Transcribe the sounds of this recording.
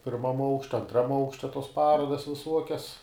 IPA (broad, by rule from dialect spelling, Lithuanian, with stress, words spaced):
pʲɪrˈmɐm ˈɐʊkʃʲtʲɛ ɐnˈtrɐm ˈɐʊkʃʲtʲɛ toːs ˈpɑːroːdɐs ʋʲɪˈsuɔkʲɛs